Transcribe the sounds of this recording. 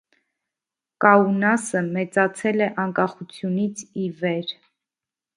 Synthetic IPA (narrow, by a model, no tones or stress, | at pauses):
kɑunɑsəmɛt͡sɑt͡sʰɛlɛʔɑŋkɑχut͡sʰjunit͡sʰivɛɾ